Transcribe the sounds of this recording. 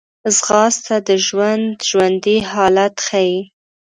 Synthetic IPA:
zɣɑst̪ad̪əʒwand̪ʒwand̪iɦɑlat̪xaji

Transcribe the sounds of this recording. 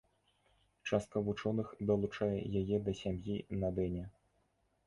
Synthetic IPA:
t͡ʂast̪̚kɐvut͡ʂɔnɨxd̪ɐlˠut͡ʂajɛ̰jajɛd̪ɐsʲamjinad̪ɛnʲɛ

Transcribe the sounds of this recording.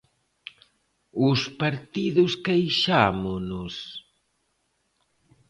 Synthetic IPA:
ʊspaɾt̪iðʊskejʃamʊnʊs

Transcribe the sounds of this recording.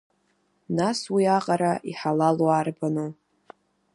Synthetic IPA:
naswiaqʼaɾaʔiħalalwaːrbano

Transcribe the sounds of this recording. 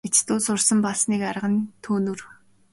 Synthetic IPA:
et͡ɕt̪uːsʊrsə̆mpaɮsniːkaɾəʁə̆nt̪ʰuːnŭr

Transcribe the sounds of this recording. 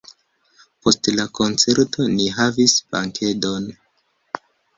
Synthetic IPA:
po̞stlako̞nt͡se̞ɾto̞niɦavispa̰ŋkʰe̞do̞n

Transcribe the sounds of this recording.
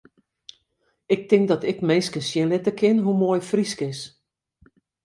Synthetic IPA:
ɪk̚tɪŋkdɔtɪkmeːskənsjɪnlɪtəkʰɪnɦumoːjfriskɪs

